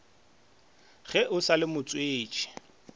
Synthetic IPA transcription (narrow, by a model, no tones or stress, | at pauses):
ɣɛʔʊsalɪmʊt͡sʼweːt͡ʃʼɛ̥